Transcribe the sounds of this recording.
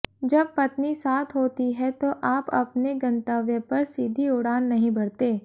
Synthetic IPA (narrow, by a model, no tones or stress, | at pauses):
d͡ʒɐb̚pɐt̪nisaːt̪ʰɦoːt̪iɦɛt̪oʔaːpɐ̰pneɡɐ̃nt̪aːʋjə̃pɐɾsiːd̪ʱiʊɽaːnːɐɦĩbɐɽt̪eː